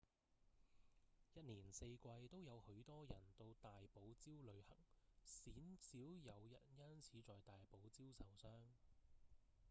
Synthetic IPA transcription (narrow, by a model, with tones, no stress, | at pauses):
jɐ˥t̚niː˨˩nse˧jkʷɐ˧jt̪o˥wjɐ˨˧whɵ˨˧˥ɥt̪ɔː˥jɐ˨˩nt̪o˧wt̪aː˨jpo˨˥wt͡siː˥wlɵ˨˧ɥhɐ̰˨˩ŋ̚siː˨˥nsiː˨˥wjɐ˨˧wjɐ̰˨˩t̚jɐ˥nt͡sʰiː˨˥t͡sɔː˨jt̪aː˨jpo˨˥wt͡siː˥wsɐ˨˩wsœː˥ŋ